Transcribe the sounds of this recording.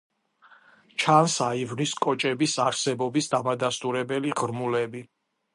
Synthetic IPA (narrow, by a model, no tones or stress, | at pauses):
t͡ʃʰansaivniskʼɔt͡ʃʼɛbisaɾsɛbɔbisd̪amad̪ast̪ʼuɾɛbɛliʁɾmulɛbi